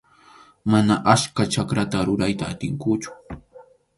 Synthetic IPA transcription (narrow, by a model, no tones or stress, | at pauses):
manaʔaskat͡ʃakɾat̪aɾʊɾajt̪aːt̪ɪŋkʊt͡ʃʊ̥